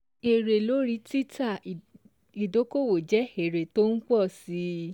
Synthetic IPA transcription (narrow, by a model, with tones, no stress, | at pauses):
e˨ɾe˨lo˨˦ɾi˧˦ti˦ta˦˨ | i˨do˨˦ko˦˨wo˨d͡ʒɛ˨˦e˨ɾe˨to˦n̩˦k͡pɔ˦˨si˨˦